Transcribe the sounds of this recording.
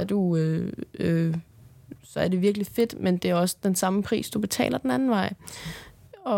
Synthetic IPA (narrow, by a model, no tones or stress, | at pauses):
æɐd̥uøø | sɒ̽æɐde̝ʋiɐɡ̥life̝d̥mend̥e̝æɐɒ̽sə̥d̥ensɑ̈məpʰʁḭːsd̥ub̥e̝t͡sʰɛ̰ːlɐd̥enænn̩ʋɑ̈ɪ̰ | ɒ̽